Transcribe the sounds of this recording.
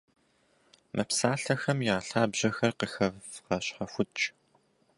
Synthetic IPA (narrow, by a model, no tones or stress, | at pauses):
mʔɐpsaːɬɐxɐmjaːɬaːbʑɐxɐrqəxɐvqɐɕħɐxʷʊtt͡ʃʼ